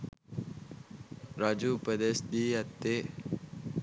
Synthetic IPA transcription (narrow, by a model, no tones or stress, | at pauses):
ɾad͡ʒupəd̪esd̪iat̪e